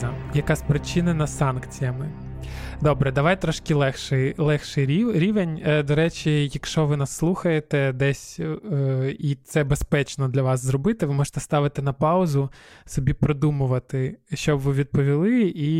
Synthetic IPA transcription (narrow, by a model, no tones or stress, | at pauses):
jɐkɑsʲpɾɪt͡ʃɪnɐnɐsɑnkt͡sʲijɐmɪ | d̪ɔbɾɛd̪ɐʋɑjt̪ɾɔʃkɪlˠɛxʃɛjlˠɛxʃɪjiɾʲiʋenʲd̪ɔɾɛt͡ʃʲijɐkʃt͡ʃɔʋɪnɑsːlˠuxɐjet̪ɛd̪ɛsʲ | it̪sɛbespɛt͡ʃnɔd̪lʲɐʋɑszrɔbɪt̪ɪʋɪmɔʒɪ̥t̪ɛ̥st̪ɑʋɪt̪ɪnɐpɑʊzʊsɔbʲipɾɔd̪umʊʋɐt̪ɪʃt͡ʃɔbʋɪʋʲid̪̚pɔʋʲilˠɪi